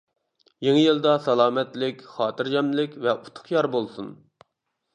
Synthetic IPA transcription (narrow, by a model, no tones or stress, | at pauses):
jeŋɪjilˠd̪ɑsɑlˠɑːmɛt̪lɪkʲχɑːt̪ʰɨɾd͡ʒɛmlɪkʲvɛʔu̥t̪ʰʊ̥χjɑɾbolˠsun